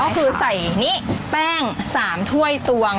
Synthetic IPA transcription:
ɔ˥˩kʰɯː˧sa˨˩jni˦˥pɛː˥˩ŋsaː˩˦mt̪ʰu˥˩əjt̪u˧ə

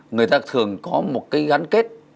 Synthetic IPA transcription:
ŋɨ˨˩əjt̪aː˧t̪ʰɨ˨˩əŋkɔ˨˦mo˨˩t̚kaː˨˦jɣa˨˦nke˦˥t̚

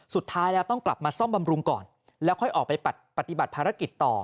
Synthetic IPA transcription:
su˨˩t̪ʰːaː˦˥jlɛː˦˥wt̪ɔ˥˩ŋkla˨˩p̚maː˧sɔ˥˩mba˧mɾu˧ŋkɔ̰ː˨˩n | lɛː˦˥wkʰɔ˥˩jʔɔː˨˩k̚pa˧jpa˨˩t̪̚pa˧˩t̪i˨˩ba˨˩t̪̚pʰaː˧ɾa˦˥ki˨˩t̪ːɔ̰ː˨˩

